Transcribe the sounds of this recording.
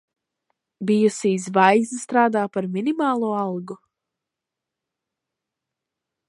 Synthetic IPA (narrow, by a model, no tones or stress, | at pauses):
bijusiːsvajznst̪ɾaːd̪aːpaɾminimaːlˠuɔalˠɡu